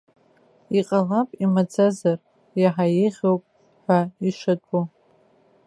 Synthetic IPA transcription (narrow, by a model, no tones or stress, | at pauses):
iqʼalapʼimad͡zazar | jaħajeʁʲowpʼ | ħʷᶣaiʂatʷʼu